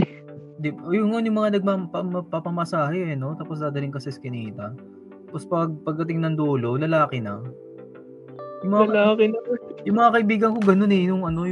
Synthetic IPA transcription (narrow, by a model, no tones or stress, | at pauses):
d̪ɪʔojʊŋːonjʊŋmɐŋanɐɡ̚mapmɐpɐpamɐsaːhɛʔɛno̞t̪aːpos̬d̪aːd̪ɐlɪŋkɐsɛɪskɪniːt̪ɐ | t̪apospɐɡ̚pɐɡ̚d̪ɐt̪̬ɪŋnɐŋd̪uːlo̞lɐlaːkɪnɐ | jʊŋmɐŋaɐlaːkɪnɐjʊŋmɐŋakɐʔibiːɡɐnko̞ɡɐno̞nɛnʊŋɐno̞j